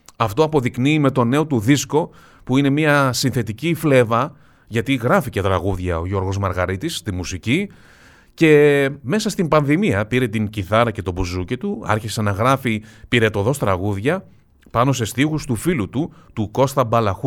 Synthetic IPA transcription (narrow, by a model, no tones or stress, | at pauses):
ɐft̪o̞ɐpo̞ðikniːme̞t̪o̞ne̞o̞t̪uðisko̞ | puine̞miɐsinθe̞t̪icifle̞vɐ | ʝɐt̪iɣɾɐficet̪ɾɐɣuðʝɐo̞̰ʝo̞ɾɣo̞zmɐɾɣɐɾit̪ist̪imusici | ce̞me̞sɐst̪imbɐnðimiɐpiɾe̞t̪iɲciθɐɾɐce̞t̪o̞buzucet̪uɐ̰ɾçise̞nɐɣɾɐfipiɾet̪o̞ðo̞st̪ɾɐɣuðʝɐ | pɐno̞se̞st̪iɣust̪ufilut̪ut̪uko̞st̪ɐbɐlɐxu